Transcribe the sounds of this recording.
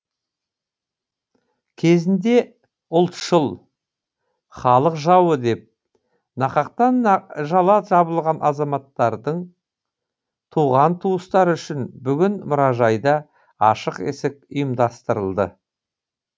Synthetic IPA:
kʲʰe̞zɪnd̪e̞ | ʊlˠt̪ʃəlˠ | χɑlˠəqʒɑwəd̪e̞p̚ | nɑqɑq̚t̪ɑnʒɑlˠɑʒɑbəlˠʁɑnʔɑzɑmɑt̪ːɑɾd̪əɴ | t̪ʰuʁɑnt̪ʰuəst̪ɑɾʏʃɪnbʏɡʲɪnmʊɾɑʒɑjd̪ɑ | ɑʃəqḛsɪk̚ʊjəmd̪ɑst̪əɾəlˠd̪ə̰

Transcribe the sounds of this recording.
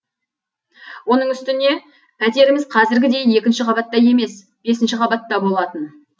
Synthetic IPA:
wo̞nəɴʏst̪ɪne̞ | pʰæt̪e̞ɾɪmɪzqʰɑzɪɾɡʲɪd̪e̞je̞kʲɪnʃɪqʰɑbɑt̪ːɑje̞me̞s | b̥e̞sɪnʃɪqʰɑbɑt̪ːɑbo̞lˠɑt̪ən

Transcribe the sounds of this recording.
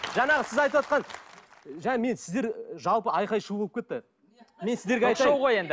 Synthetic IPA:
ʒɑɴɑʁəsɪzɑjt̪əwɑt̪̚qɑn | ʒæme̞nsɪzd̪e̞ɾʒɑlˠpəɑjqɑjʃubolˠəpkʰʲet̪ːɪ | me̞nsɪzd̪e̞ɾɡʲeɑjt̪ʁoje̞nd̪ɪ

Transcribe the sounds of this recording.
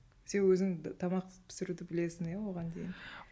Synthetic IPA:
senwɵzɪŋt̪ʰɑmɑq̚t̪ə̥pʰɪ̥sɪɾud̪ɪbɪle̞sɪnjawo̞ʁɑnd̪ejɪn

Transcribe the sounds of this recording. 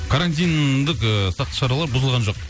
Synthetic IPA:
kʰaɾanʲt̪̬ʲijnd̪ɪkəsɑq̚t̪ə̥ʃɑɾɑlˠɑɾbʊzəlˠʁɑnʒoq̚

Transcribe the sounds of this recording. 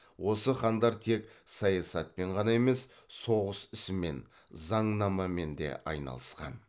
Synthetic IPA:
wo̞səχɑnd̪ɑɾt̪ʰe̞ksɑjɑsɑt̪̚pe̞ɴʁɑnɑe̞me̞s | so̞ʁəsʏsɪme̞̰n | zɑɴnɑmɑme̞nd̪e̞̰ʔɑ̰jnɑ̰lˠəsqɑ̰n

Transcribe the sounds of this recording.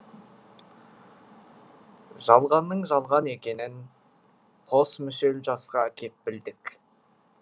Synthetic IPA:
ʒɑlˠʁɑnːəɴʒɑlˠʁɑne̞kʲe̞nɪn | qʰo̞smʏse̞lʒɑsqɑækʲʰe̞t̪̚bɪld̪ɪk

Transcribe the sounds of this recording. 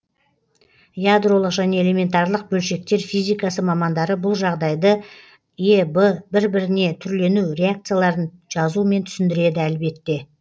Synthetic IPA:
jad̪ɾo̞lˠəqʒæne̞ele̞me̞nt̪ɑɾlˠəq̚bɵlʃe̞k̚t̪e̞ɾfijzijkɑsəmɑmɑnd̪ɑɾəbʊlˠʒɑʁd̪ɑjd̪ə | ebəbɪɾbɪɾɪne̞t̪ʰʏɾle̞nuɾe̞ak̚t̪sɨjalˠɑɾənʒ̥ɑzume̞nt̪ʰʏ̥sɪnd̪ɪɾe̞d̪ɪælbe̞t̪ːe̞

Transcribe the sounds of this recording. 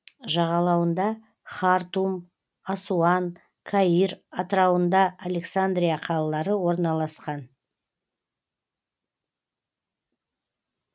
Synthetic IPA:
ʒɑʁɑlˠɑwənd̪ɑ | χɑɾt̪um | asuɑn | kʰaiɾat̪ɾɑwənd̪ɑːle̞ksand̪ɾijaqʰɑlˠɑlˠɑɾəwo̞ɾnɑlˠɑsqɑn

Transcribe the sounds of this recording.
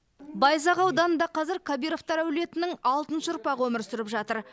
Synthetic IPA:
bɑjzɑʁɑwd̪ɑnəd̪ɑqʰɑzɪɾkʰabijɾo̞ft̪ɑɾæwle̞t̪ɪnɪŋɑlˠt̪ənʃəʊɾpɑʁəwomɪɾsɪɾɪpʒɑt̪əɾ

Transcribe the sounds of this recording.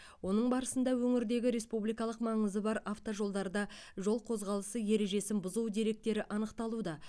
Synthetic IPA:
wo̞nəɴbɑɾəsənd̪ɑwɵŋɪɾd̪e̞ɡʲɪɾe̞spublijkɑlˠəqmɑɴəzəbɑɾaft̪oʒo̞lˠd̪ɑɾd̪ɑʒo̞lˠqʰo̞zʁɑlˠəsəje̞ɾe̞ʒe̞sɪnbʊzuwd̪e̞ɾe̞k̚t̪e̞ɾɪʔɑnəqt̪ɑlˠud̪ɑ

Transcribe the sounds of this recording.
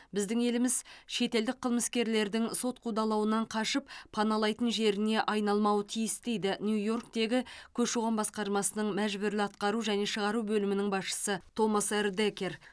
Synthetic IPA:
bɪzd̪ɪŋe̞lɪmɪzʃe̞t̪e̞ld̪ɪk̚qʰəlˠməskʲe̞ɾle̞ɾd̪ɪŋso̞t̪qʰud̪ɑlˠɑwənɑɴqʰɑʃəpʰːɑnɑlˠɑjt̪ənʒe̞ɾɪne̞ʔɑjnɑlˠmɑwət̪ʰijɪst̪e̞jd̪ɪnʲjujo̞rk̚t̪e̞ɡʲɪkʲʰɵʃuʁɑnbɑsqɑɾmɑsənəɴmæʒbʏɾlɪɑt̪qɑɾuʒæne̞ʃəʁɑɾubɵlɪmɪnɪŋbɑsʃə̥sət̪ʰo̞moseɾd̪ekʲe̞ɾ

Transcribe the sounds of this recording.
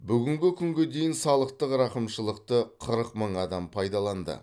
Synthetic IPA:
bʏɡʲɪŋɡʲɪkʲʰʏŋɡʲed̪e̞jɪnsɑlˠəqt̪əqɾɑqəmʃəlˠəq̚t̪əqʰəɾəqməɴɑd̪ɑmpʰɑjd̪ɑlˠɑnd̪ə̰

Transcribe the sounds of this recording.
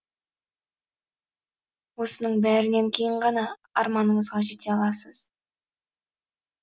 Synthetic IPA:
wo̞sənəɴbæɾɪneŋkʲʰe̞jɪɴʁɑnɑ | ɑɾmɑnəɴəzʁɑʒe̞t̪e̞ɑlˠɑsəz̥

